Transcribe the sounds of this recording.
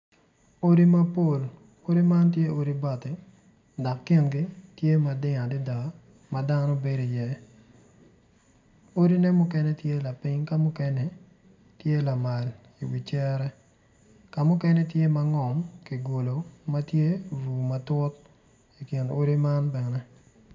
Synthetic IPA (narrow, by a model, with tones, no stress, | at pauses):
o˦ɾi˦mɐ˦po˦˨l | o˦ɾi˦ma˦ntje˦o˦ɾi˦ba˨tɪ˨ | dɔ˨kːe˦nɡɪ˦tje˦ma˨dɪ˦ŋa˨dɪ˦da˨ | ma˨da˦no˦be˦di˨jɛ˦ | o˦ɾi˦nɛ˦mʊ˦kɛ˦nɛ˦tje˦la˨pɪ˦ɲka˦mʊ˦kɛ˦nɛ˦ | tje˦la˨ma˨l | i˨wi˨t͡ʃɛ˦ɾɛ˦ | ka˨mʊ˦kɛ˦nɛ˦tje˦ma˦ŋɔ˨mki˨ɡo˨lo˨mɐ˦tje˦vu˨mɐ˨tʊ˦t̚ | i˨kɪ˨no˦ɾi˦ma˦nbɛ˨nɛ˦